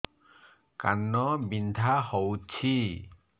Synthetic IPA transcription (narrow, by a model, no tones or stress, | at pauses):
ka̰nːɔbint̪ʰahɔwt͡ɕʰi